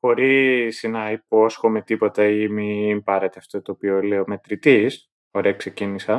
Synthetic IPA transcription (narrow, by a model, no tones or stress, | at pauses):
bo̞ɾisinɐiposxomet̪ipo̞t̪ɐimimpɐɾet̪eɐft̪ot̪oːpioleome̞t̪ɾit̪is | oɾekse̞cinisɐ